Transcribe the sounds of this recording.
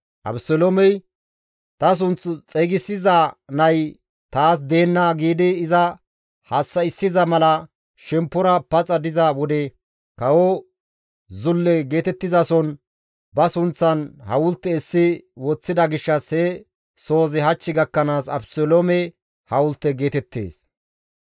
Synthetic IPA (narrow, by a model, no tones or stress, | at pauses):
ʔɐ̰bsɔlomɛj | t̪ɐs̬ʊnt͡sːʊt͡sʼɛɡɪsːɪzanɐj | t̪aːs̬d̪e̞ːnːaɡiːd̪ɪːzɐ | hɐsːɐɪsːɪzɐmɐlɐ | ʃɛmpːɔɾɐpɐt͡sʼɐd̪ɪzɐwɔd̪ɛ | kɐwɔ | zʊlːɛɡe̞ːt̪ɛt̪ːɪzɐsɔn | bɐsʊnt͡sːɐnhɐwʊlt̪ːɛɪsːɪwɔt͡sːɪd̪ɐɡɪʃːɐshɛ | so̞ːzɪɦɐt͡ʃːɪɡɐkːɐnaːsɐ̰bsɔlomɛ | hɐwʊlt̪ːɛɡe̞ːt̪ɛt̪ːḛːs